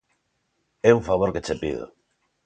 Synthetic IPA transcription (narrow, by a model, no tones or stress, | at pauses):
ɛuŋfaβ̞oɾket͡ʃepḭðo̰